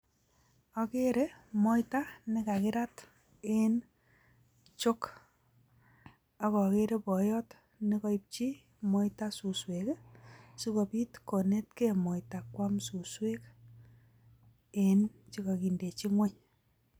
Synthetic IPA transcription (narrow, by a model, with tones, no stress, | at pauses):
ɔ˨ke˦ɾe˦mɔ˦jta˦nɪ˦ka˨kɪ˦ɾa˦t | e˦n | t͡ʃo˦k | a˦kɔ˨ke˦ɾe˦pɔ˨jɔ˦t | nɪ˦kɔ˦ip̚t͡ʃi˦ | mɔ˦jta˦su˨swe˨ksu˦ko˨pi˦tko˨ne˦tke˦mɔ˨jta˨kwa˦msu˨swe˦k | ent͡ʃi˦ka˨ki˨nde˨t͡ʃi˦ŋwe˦ɲ